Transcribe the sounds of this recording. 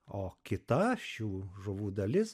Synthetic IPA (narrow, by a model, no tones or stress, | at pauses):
oːkʲɪt̪ɐʃʲuːʒʊʋuːd̪ɐlʲɪs